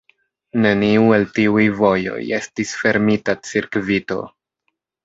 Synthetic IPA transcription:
ne̞niue̞ltiujvo̞jo̞̰je̞stisfe̞ɾmitat͡siɾkvito̞̰

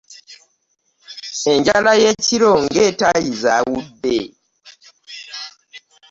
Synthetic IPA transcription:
e̞ɲɟalaje̞ciɾo̞ŋɡe̞ːtajizawudːe

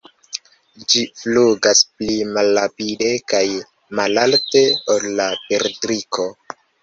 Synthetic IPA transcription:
d͡ʒifluɡasplimalːapide̞kaj | malalte̞olːapeɾtɾikʰo̞

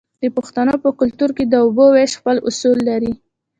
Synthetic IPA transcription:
d̪̥əpʊxt̪anopəkʊlt̪uɾked̪əʊboweʃxpəlʊsulːaɾi

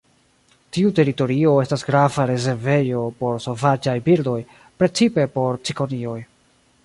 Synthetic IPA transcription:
tiute̞ɾito̞ɾio̞e̞stasɡɾavaɾe̞ze̞ɾve̞jo̞po̞ɾso̞vad͡ʒajbildo̞j | pɾe̞t͡sipe̞po̞ɾt͡siko̞nio̞j

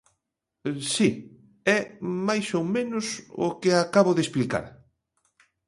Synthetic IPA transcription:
si | ɛmajsowmẽnʊsʊ̰kɪakaβʊðesplika̰ɾ

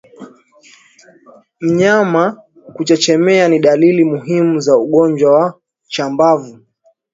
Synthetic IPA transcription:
m̩ɲama | kut͡ʃat͡ʃɛmɛaniɗalilimuɦimuzauɠɔnd͡ʒwawa | t͡ʃambavu

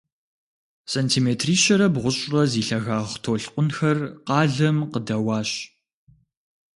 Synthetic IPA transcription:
seːntʰiːmeːtʰriːɕɐɾɐbʁʷʊɕʼrɐziːɬɐɣaːʁtʰoːɬqʷʊnxɐrqɑːɮɐmqədɐwɑːɕ

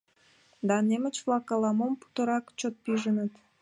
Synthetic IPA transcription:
d̪ɑnemət͡ɕvlˠɑkɑlɑmompu̥t̪ə̆ɾɑkt͡ɕot̪̚piʒənət̪

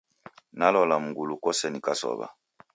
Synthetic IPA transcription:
nalɔlamuɡulukɔsɛnikasɔ̰βa̰

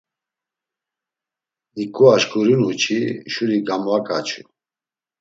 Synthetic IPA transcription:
d̪ikʼuaʃkʰʼuɾinut͡ʃʰiʃuɾiɡamvakʼat͡ʃʰu

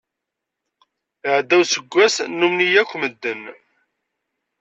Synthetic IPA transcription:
əʕd̪æwsəɡʷːæsnːumnijækʷːməd̪ːən

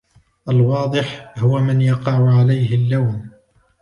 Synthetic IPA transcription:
ʔalwɑːd̪ˤɨħhʊwamɪnjɑqɑʕʊʕalajhɪlːawn

